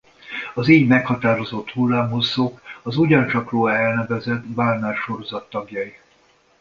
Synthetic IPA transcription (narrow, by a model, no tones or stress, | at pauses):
ɒzeːɲmɛkhɒt̪aːɾo̞zo̞t̪hulːaːmɦosːoːkɒzuɟɒnt͡ʃɒkroːɛlnɛvɛzɛt̪ːbaːlnaːrʃo̞ɾo̞zɒt̪ːɒɡjɒi